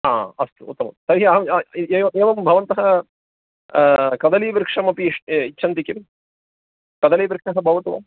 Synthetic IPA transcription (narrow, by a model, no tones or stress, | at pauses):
aːɐst̪uṵt̪ːɐmɐ̰msɐɾiɦiɐɦɐieːɐeːʋɐmbʱɐʋɐnt̪ɐɦɐ | kɐd̪ɐliːʋiɾkʂɐmɐpiʂitːt͡ʃʰɐnt̪ikim | kɐd̪ɐliːʋiɾkʂɐɦɐbʱɐʋɐt̪uʋɐ̰